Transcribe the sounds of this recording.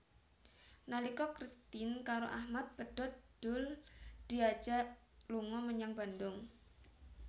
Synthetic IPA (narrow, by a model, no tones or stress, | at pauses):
nalikɔkɾist̪ɪnkaɾo̰ʔahmat̪̚b̥əɖ̥ɔt̪̚d̪̥ʊld̪̥iḁd͡ʒ̥a | luŋɔməɲaŋba̤nd̪ʊŋ